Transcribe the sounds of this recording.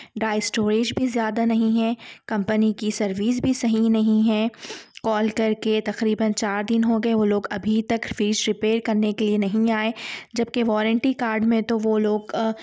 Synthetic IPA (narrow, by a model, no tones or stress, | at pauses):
ɖaːɪsʈoːɾeːd͡ʒbʱizjaːd̪anɐɦĩɦɛ̃kɐ̃mpənikisɐɾʋiːs̬bʱisɐɦĩnɐɦĩɦɛ̃kɔːlkɐɾket̪ɐqɾiːbənt͡ʃaːɾd̪ɪnɦoɡɐeʋoloːɡɐbʱit̪ɐkfiːd͡ʒɾɪpeːɾkɐɾnekelienɐɦĩaːed͡ʒɐb̚keʋɔːɾə̃ɳʈikaːɾɖmẽt̪oʋoloːɡ